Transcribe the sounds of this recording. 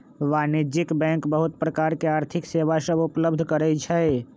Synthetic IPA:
ʋanid͡ʒikbɛ̃ŋkbəɦut̪̚pɾəkaɾkeaːɾt̪ʰɪkseʋasəbupləbd̪ʱkəɾɛt͡ʃʰɛ

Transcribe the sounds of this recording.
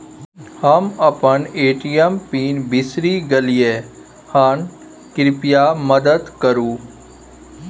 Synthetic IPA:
həməpəneːʈijəmpiːnbɪsɾiːɡəlijeː | han | kɪɾɪpɪjaməd̪əd̪kəɾũː

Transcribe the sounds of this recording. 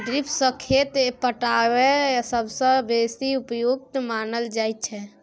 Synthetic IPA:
ɖɾipʰsəkʰet̪pəʈawesəbsə̃besiupjoɡt̪manəld͡ʒajt̪̚t͡ʃʰɛ

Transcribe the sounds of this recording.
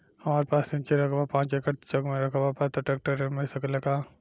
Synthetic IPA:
hɐmaːɾepaːsɪnt͡ʃeɾɐkʰbapãːt͡ʃekəʈt͡ʃɐɡmẽɾɐkʰːbapat̪oʈeːk̚ʈəɾemɐsɐkəlɐkaː

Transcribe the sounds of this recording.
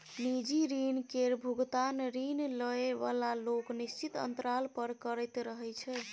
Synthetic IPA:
nid͡ʒiɾinkeɾbʱuɡt̪anɾinləeβa̰laloknist͡ʃit̪ə̰nt̪ɾalpəɾkəɾɛjt̪ɾəɦɛt͡ʃʰɛ

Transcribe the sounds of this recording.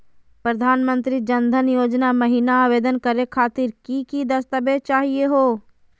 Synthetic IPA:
pɾəd̪ʱaːnmə̃nt̪ɾid͡ʒənd̪ʱənjoːd͡ʒnaməɦiːnaaːʋeːd̪ənkəɾekʰaːt̪ɪɾkikid̪ɐst̪əbet͡ʃaːɦieɦoː

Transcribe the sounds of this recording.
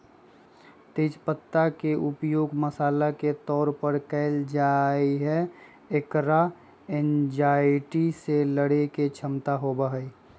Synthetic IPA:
t̪eːd͡ʒpət̪ːakeʔʊpjoːɡməsaːlaket̪ɔːɾpəɾkɛɪld͡ʒaiɦɛ | ekɾa | end͡ʒaːɪʈiseləɽeket͡ʃʰəmt̪aɦobəɦəi

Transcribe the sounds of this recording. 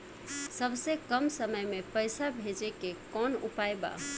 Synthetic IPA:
səbsekəmsəməjmepəjsabʱed͡ʒekekɔnṵpajba̰

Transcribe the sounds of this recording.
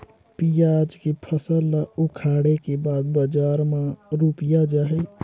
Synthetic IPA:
pijaːd͡ʒkepʰəsəlːaukʰaːɽekebaːd̪bəd͡ʒaːɾmãɾuːpijad͡ʒaːɦe

